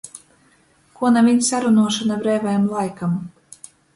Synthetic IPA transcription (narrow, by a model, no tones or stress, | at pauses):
kuɔnavʲiɲʲsaɾunuɔʃanabɾɛːvajamlˠajkam